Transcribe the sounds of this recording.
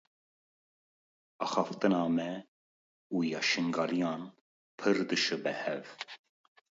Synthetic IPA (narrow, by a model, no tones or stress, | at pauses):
ɑːxɑft̪ɨnɑːmɛ | ujɑʃɨŋɡɑːlijɑːn | pʰɨɾd̪ɨʃɨbɛhɛv